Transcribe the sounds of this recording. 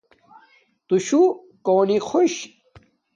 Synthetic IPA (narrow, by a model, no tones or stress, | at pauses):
t̪uɕu | koːnixʰoɕ